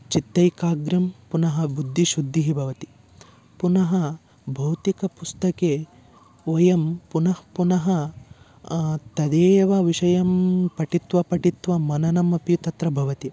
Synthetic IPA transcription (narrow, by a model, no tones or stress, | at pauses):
t͡ʃit̪ːɐjkaːɡɾɐmpunɐɦɐbud̪ʱːiʃud̪ʱːiɦibʱɐʋɐt̪i̥ | punɐɦɐ | bʱɐwt̪ikɐpust̪ɐkeː | ɔjɐmpunɐhpunɐɦɐ | t̪ɐd̪eːʋɐʋiʃɐjɐmpɐʈit̪ʋɐpɐʈit̪ʋɐmɐnɐnɐmɐpjut̪ɐt̪ɾɐbʱɐʋɐt̪i